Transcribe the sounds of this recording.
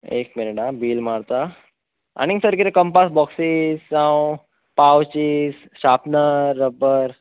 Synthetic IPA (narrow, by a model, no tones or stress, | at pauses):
ḛkmineʈabiːlmaɽt̪a | a̰ñisəɾkiɾekəmpasbɔksizsãw | pawt͡ɕis | ɕapnəɾːəbəɾ